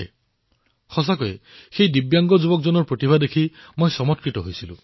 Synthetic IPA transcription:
e | xɔs̬akɔe | xejd̪ibjaŋɡɔd͡ʒubɔk̚d͡ʒɔnɔɾpɾot̪ibʱad̪ekʰimojsɔmɔt̪̚kɾit̪ɔɦojsʰilṵ̃

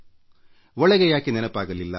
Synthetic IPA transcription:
ʋɐɭɐɣɐjaːkːininɐpːaːɣɐlːilːɐ̰

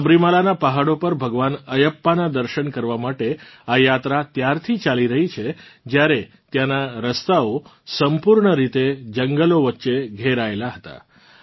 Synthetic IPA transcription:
əbɾimalanapaɦaɽopəɾbʱəɡʋanəjəpːanad̪əɾʃəɳkəɾʋamaʈeajat̪ɾat̪jaɾt̪ʰit͡ʃaliɾəɦit͡ʃʰed͡ʒjaɾe | t̪janaɾəst̪ao | səmpuɾɳəɾit̪ed͡ʒəŋɡəloʋətːʃeɡʱeɾaelaɦət̪a̰

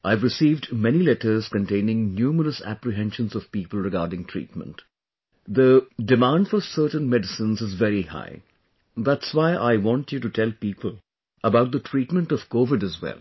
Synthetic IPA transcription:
ʔaɪvɾɨsiːvdmɛnilɛʈəɾz̥kə̃nʈẽɪ̃nɪ̃ŋnjuːməɾəsæ̰pɾɨɦɛ̃nʃə̃nzɔv̥piːpəl̩ˠɾɨɡaːɾɖɪ̃ŋʈʰɹ̥ḭːtmə̰̃nʈ | d̪ədɨmæ̃nɖfɔɾsəːʈnmɛɖɨsə̃nzɨzvɛɾiha̰ɪ | ðætswaɪʔa̰ɪʋɔ̃ntʰjuʈuʈʰɛlˠpiːpəl | əbaʊt̚d̪əʈʰɾiːʈmə̃nʈɔv̥koːʋɪdɨzwɛ̰lˠ

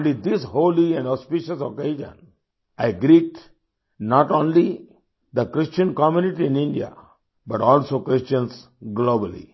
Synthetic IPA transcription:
nlid̪ɪshoːliɛ̃ɳɔspiʃəsokeːd͡ʒə̰̃n | aɪɡɾiːʈ̚ | nɔːʈõːnli | d̪əkɾɪst͡ʃə̃nkɔmjuniʈiɪ̃nɪ̃ɳɖia̰ | bʌʈɔːlsoːkɾɪst͡ʃə̃ns | ɡloːbəlḭ

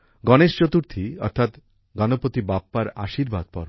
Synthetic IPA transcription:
ɡɔneʃt͡ɕot̪uɾt̪ʰiɔ̰ɾt̪ʰat̪ | ɡɔnopot̪ibapːaɾaʃiɾba̰d̪̚pɔ̰ɾ

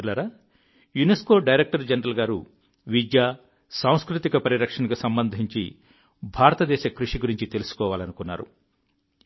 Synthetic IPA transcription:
lɐɾa | junesko̞ːɖɐjɾek̚ʈɐɾd͡ʒɐnɾɐlɡaːɾṵ | ʋid͡ʒjaː | saːw̃skɾut̪ikɐpɐɾiɾɐkʂɐnɐkusɐmbɐnd̪ʱiɲt͡ʃḭ | bʱaːɾɐt̪ɐd̪ɛːʃɐkɾuʂiɡuɾiɲt͡ʃit̪e̞lusu̥kɔːʋaːlɐnukunːa̰ːɾṵ

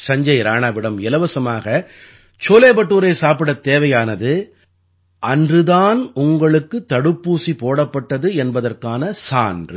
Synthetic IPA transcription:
sɐɲd͡ʒɐɪɾaːɳaːʋɪɽɐmɪlɐʋɐsɐmaːɣɐ | t͡ʃoːleːbɐʈːuːɾɐɪsaːpɪɽɐt̪ːeːʋɐjaːnɐðɯ | ʔɐndrɯðaːnʊŋɡɐɭɯkːɯt̪ːɐɽɯpːuːsipoːɽɐpːɐʈːɐðɯɛnbɐðɐrkaːnɐsaːndrɯ

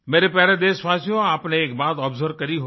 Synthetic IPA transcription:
meːɾepɛːɾed̪eːʃʋaːsijõaːpneːk̚baːt̪ɔːbzəɾkɐɾiɦo

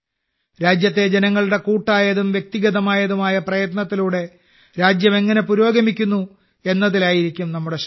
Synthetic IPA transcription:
ɾaːd͡ʑjɐt̪ːe̞d͡ʑenɐŋːɐɭuɽe̞kuːʈːaːjɐðumʋjek̚t̪iɣɐðɐmaːjɐðumaːjɐprɐjɐt̪nɐt̪ːiluːɽe̞ | ɾaːd͡ʑjɐme̞ŋːɐne̞puɾo̞ːɡɐmikʲːunːu | e̞nːɐðilaːjiɾikʲːumnɐmːuɽe̞ɕ

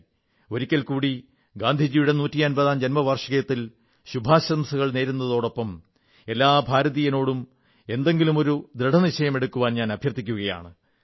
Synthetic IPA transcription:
o̞ɾikʲːɐlkuːɽi | ɡaːnd̪ʱid͡ʑijuɽe̞nuːtːijɐnbɐðaːmd͡ʑɐnmɐʋɐrʂɐɣɐjɐt̪ːil | ɕubʱaːɕɐɐmsɐɣɐɭne̞ːɾunːɐðo̞ːɽo̞pːɐm | e̞lːaːbʱaːɾɐðijɐno̞ːɽum | e̞nd̪e̞ŋɡilumo̞ɾud̪ɾeɖʱɐniɕɐjɐme̞ɽukːuʋaːnɲaːnɐbʱjɐrt̪ːikʲːuɣɐja̰ːɳɨ

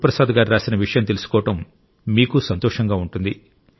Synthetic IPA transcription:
pɾɐsaːd̪ɐɡaːɾiɾaːsinɐʋiʂɐjɐmt̪e̞lusu̥kɔːɐʈɐmː | iːkusɐnt̪ɔːʂɐŋɡaːuɳʈund̪i

